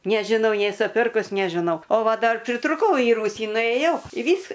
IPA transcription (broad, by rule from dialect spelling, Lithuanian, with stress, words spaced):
nʲɛʒʲɪˈnɐʊ ˈnʲeːsʊ ˈpʲɪrkʊs nʲɛʒʲɪˈnɐʊ oː ˈʋɐ ˈdɐr pʲrʲɪtrʊˈkɐʊ iː ˈruːsʲiː nʊeːˈjɛʊ iː ˈʋʲiːs